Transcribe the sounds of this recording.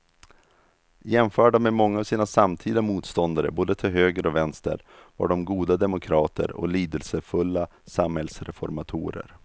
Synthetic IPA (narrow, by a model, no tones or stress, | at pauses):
jɛmfœːɖameːmɔŋːaːvsiːnasamt̪ʰiːd̪amuːt̪st̪ɔnd̪aɾə̰boːd̪ət̪ʰɪlɦøːɡəɾɔvɛnst̪ə̰ɾ | va̰ːɖɔmɡuːd̪ad̪ɛmʊkʰɾɑːt̪ʰə̰ɾɔ̰liːd̪əlsəfɵlːasamhɛlsɾɛfɔɾmat̪ʰṵːɾə̰ɾ